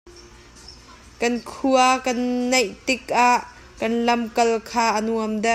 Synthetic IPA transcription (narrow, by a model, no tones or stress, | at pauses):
kɐnkʰuɐkɐnːɐjʔt̪ɪk̚ʔaʔ | kɐnlɐmkɐlkʰaːʔɐnuɐmd̪ɐ